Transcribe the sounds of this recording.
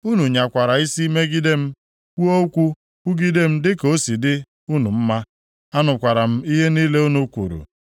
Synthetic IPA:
u˦nu˨ɲa˨kʷa˨ɾa˨i˦si˦me˦ɡi˦de˦m̩˦ | kʷu˦o˦kʷu˦ | ku˦ɡi˦de˦m̩˦dɪ˦ko˦si˨dɪ˦ | u˦nu˨m̩˦ma˦ | a˦nʊ˨kʷa˨ɾa˨m̩˦i˦ɦe˦niː˦le˦u˦nu˦kʷṵ˨ɾṵ˨

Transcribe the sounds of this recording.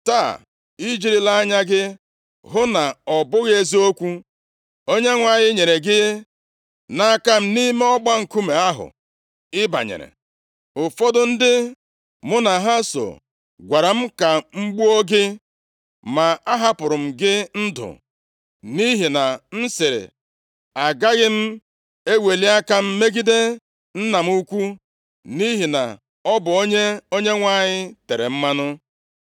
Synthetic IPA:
taː˦˨ | i˦d͡ʒi˨ɾi˦la˦ɲa˦ɡɪ˦ | ɦʊ˦na˨ɔ˨bʊ˦ɣe˦zi˦o˦kʷu˦ | o˦ɲe˦ŋʷa˨ɲɪ˦ɲe˨ɾe˨ɡɪ˦ | na˨a˦˨ka˦m̩˦ni˦me˦ɔ˦ɡ͡ba˦ŋ̩˨ku˦me˨a˦ɦʊ̰˨ | ɪ˦ba̰˨ɲḛ˨ɾḛ˨ | ʊ˨fɔ˦dʊ˦n̩˦dɪ˦ | mʊ˦na˨ɦa˦so̰˨ | ɡʷa˨ɾa˨m̩˦ka˨ŋ͡m̩˦ɡ͡bu˦o˦ɡɪ˦ | ma˨a˦ɦa˦pʊ˨ɾʊ˨m̩˨ɡɪ˦n̩˦dʊ̰˨ | ni˦ɦi˨na˨n̩˦sɪ˨ɾɪ̰˨ | a˨ɡa˦ɣɪ˦m̩˦ | e˦we˨li˦a˦ka˦m̩˦me˦ɡi˦de˦ | n̩˦na˨m̩˦u˦kʷu˦ | ni˦ɦi˨na̰˨ | ɔ˦bʊ˨o˦ɲe˦o˦ɲe˦ŋʷa˨ɲɪ˦te˨ɾḛ˨m̩˦ma˦nʊ˦

